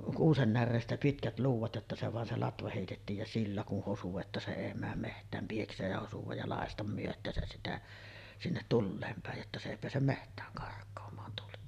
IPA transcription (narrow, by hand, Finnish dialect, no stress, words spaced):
kuːsen nærːeːstæ pitkæt luːʋˑɑt jotːɑ se ʋɑˑen se lɑtʋɑ heˑitetːiːj jɑ silːæ kun hosu etːæ se eˑi mæːm mehtˑæːm pieksˑeːj jɑ hosuʋɑj jɑ lɑˑestɑm myøtˑæːsæs sitæ sinːet tulːeːm pæˑej jotːɑ se eˑi peæsem mehtˑæːŋ kɑrkˑoːmˑɑːn tuli